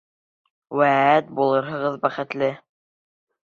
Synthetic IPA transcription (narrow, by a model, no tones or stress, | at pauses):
wææt̪̚bulˠɤɾɦɤ̆ʁɤðbæχɘ̆t̪lɘ